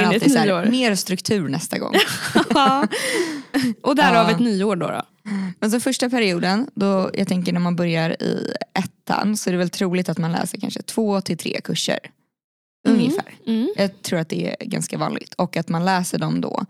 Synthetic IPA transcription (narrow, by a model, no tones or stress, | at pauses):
alt̪ɪæːɾmeːɾst̪ɾɵkt̪ʰʉ̟ːɾnɛst̪aɡɔ̰ŋ | ʔɔd̪æɾavɪɛt̪nyːoːɖɔ̰ɾɔ̰ | mɛns̬ɔfœʂʈapʰæɾɪuːd̪ənd̪ɔjʔɑ̰ːɡt̪ʰɛŋkəɳæɾmanbœɾjaɾɪ̰ɛt̪ʰːa̰nsɔæɾɛvɛlt̪ʰɾuːlɪt̪at̪manlɛ̰ːsəɾkʰa̰nʂət̪ʰv̥oːt̪ʰɪlt̪ʰɾḛːkʰɵʂːə̰ɾ | ɵŋjəfæ̰ːɾjɑːt̪ʰɾuːɾat̪̚d̪ɛæ̰ɡa̰nskavɑ̰ːnlɪ̰ɡt̪ʰɔkːat̪manlɛːsəɖɔmd̪ɔ̰